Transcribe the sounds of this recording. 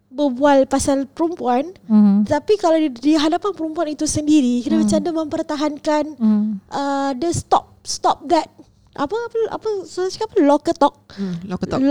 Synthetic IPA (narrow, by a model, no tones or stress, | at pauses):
bəbualpasalpəɾumpuanət̪apikalawdiɦadapanpəɾumpuanit̪usəndiɾikənəmət͡ʃandamə̃mpərt̪aɦankanʔədəst̪ɔ̰p̚st̪ɔp̚d̪ɛt̪̚ | ʔa̰pəapəʔa̰pəsaaskapəlɔkət̪ɔk̚